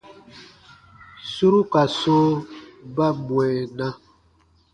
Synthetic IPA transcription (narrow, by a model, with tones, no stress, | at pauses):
su˦ɾu˦ka˨so˦ba˦mwɛ˨na˦